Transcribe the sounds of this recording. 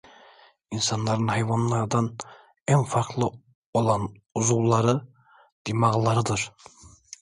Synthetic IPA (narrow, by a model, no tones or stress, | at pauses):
insɑnlˠɑɾɯnhɑjvanlˠɑɾd̪ɑn | ænfɑɾklˠɯ | olˠɑn | uzulˠlˠːɑɾɯ | d̪̥imɑʁlˠɑɾɯd̪ɯɾ̥